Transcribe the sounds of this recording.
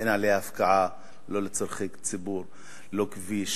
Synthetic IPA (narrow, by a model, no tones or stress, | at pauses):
ʔenʕalehaafkaʕa | lolet͡soɾχikt͡sibuɾ | lokviʃ